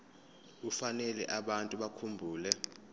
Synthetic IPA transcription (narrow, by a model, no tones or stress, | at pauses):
ufanɛlɛʔaɓantʼuɓakʰumbʱuːlɛ